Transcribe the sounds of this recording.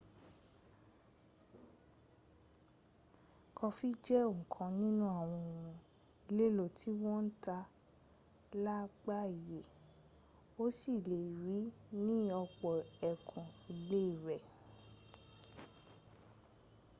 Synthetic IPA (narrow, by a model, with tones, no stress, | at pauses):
kʰɔ˧fi˦d͡ʒɛ˦õ˦˨kʰã˧nĩ˦nũ˦a˦˨w̃ɔ̃˧˨o˨ũ˨ | i˧le˦lo˦˨tʰi˦w̃ɔ̃˦n̩˦ta˧ | la˦ɡ͡ba˦˨i˨je˨ | o˦si˦˨le˨ɾi˨˦nĩ˦ɔ˧k͡pɔ˨ɛ˨kʰũ˨i˨le˦i˦˨ɾɛ˨